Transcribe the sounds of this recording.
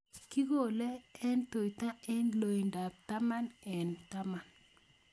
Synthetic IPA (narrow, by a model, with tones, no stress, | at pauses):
ki˦ɡo˨lɛ˦ɛ˦nto˨jta˦ɛ˦nlo˨i˨nda˨p̚ta˦ma˦nɛ˨nta˦ma˨n